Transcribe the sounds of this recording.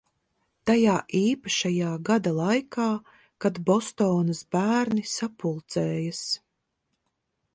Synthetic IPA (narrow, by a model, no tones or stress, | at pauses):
t̪ajaːʔiːpaʃajaːɡad̪alˠajkaː | kad̪bɔst̪ɔːnɐsbæːɾnisapulˠt̪sɛːjas